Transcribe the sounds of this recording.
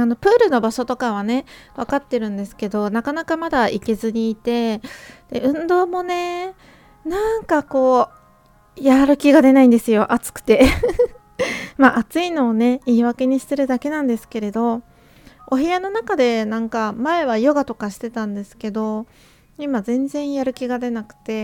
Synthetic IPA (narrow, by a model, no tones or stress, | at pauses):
ano̞pɯ̟ːɾɯ̟no̞baɕo̞t̪o̞kaβ̞ane̞βakat̪ːe̞ɾɯ̟̃nd̪e̞sɨ̥ke̞d̪o̞nakanakamad̪aʔike̞zɨɲ̟iːt̪e̞d̪̥e̞ɯ̟̃nd̪o̞ːmo̞ne̞ | nãŋkako̞ː | jaɾɯ̟kʲiɡad̪e̞naĩnd̪e̞sɨjo̞ʔat͡sɨ̥kɯ̟̥t̪e | maʔat͡sɨino̞ːne̞iːβake̞ɲ̟iɕi̥t̪e̞ɾɯ̟d̪ake̞nãnd̪e̞sɨ̥ke̞ɾe̞d̪o̞ | oɦeano̞nakad̪e̞nãŋkamae̞βajoɡat̪o̞kaɕi̥t̪e̞t̪ãnd̪e̞sɨ̥ke̞d̪o̞ | imazẽ̞nd͡zẽ̞ɰ̃jaɾɯ̟kʲiɡad̪e̞nakɯ̟̥t̪e̞